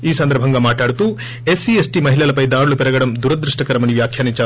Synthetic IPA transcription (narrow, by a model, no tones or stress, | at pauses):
iːsɐnd̪ɐɾɐbʱɐŋɡɐmaːʈaːɽut̪u | esiesʈimɐɦilɐlɐpɐjd̪aːɾulupɛɾɐɡɐɽɐmd̪uɾɐd̪ɾuʂʈɐkɐɾɐmɐniʋjaːkʰjaːniɲt͡ʃa